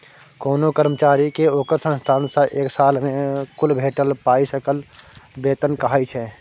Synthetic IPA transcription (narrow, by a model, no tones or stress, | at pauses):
koːnokəɾmət͡ʃaːɾikeoːkəɾsə̃nst̪ʰaːnsaʔeːksaːlmẽkʊlbʱeːʈəlpaːisəkəlbeːt̪ənkəɦaːit͡ʃʰɛː